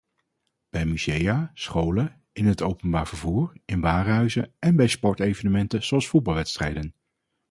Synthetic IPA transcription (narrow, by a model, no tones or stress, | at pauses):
b̥ɛjmyz̥ejaːsχowlə | ɪnɦətowpənbaːɹv̥əɹvuːɹɪnʋaːrɦœɥzəɛnbɛjspɔɹtejvənəmɛntəz̥oɑlˠsfud̚bɑlˠʋɛtstrɛjdən